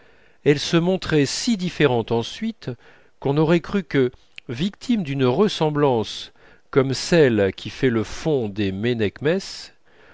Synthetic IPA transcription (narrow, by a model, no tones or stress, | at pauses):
ɛlsəmɔ̃t̪χɛsid̪ifeʁɑ̃t̪ɑ̃sɥit̪ | kɔ̃nɔʁɛkχykə | vik̚t̪ʰimd̪ynʁəsɑ̃blɑ̃s | kɔmsɛlkʲifɛləfɔ̃d̪emenɛkmɛs